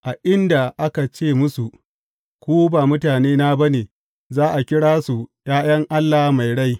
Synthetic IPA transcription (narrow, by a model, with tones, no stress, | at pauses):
ʔa˨ʔɪ˦nda˨ʔa˦ka˨t͡ʃeː˦˨mʊ˦su˨ | kʷuː˦baː˨mʊ˦taː˨neː˦naː˦bɐ˦neː˨ | zaː˦ʔa˨kʲɪ˦ɽaː˦su˨j̰aː˦j̰ɐ˦ŋʔa˦lːaː˨˦ma˨jɽa˦j